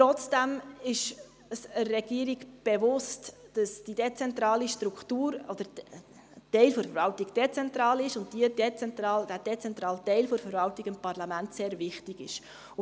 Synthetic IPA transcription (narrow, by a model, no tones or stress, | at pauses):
tɾɔt͡sd̥ɛmɪʃ | əsəːɛɡ̥iəɾiɡb̥ɛvʊstd̥ɑsd̥id̥ɛt͡sɛnt̪ɾɑːliʃtɾukχtuːɾɔd̥̪əɾ | tɛɪlfɔɾfəɾvɑltiɡd̥et͡sɛnt̪ɾɑːlɪʃʊnd̚d̥iədɛt͡sɛntɾɑːld̥æd̥ɛt͡sɛnt̪ɾɑːltɛɪlfɔɾfəɾvɑltiɡɪmpɑrlɑmæntseːɾvɪχtɪɡɪ̰ʃ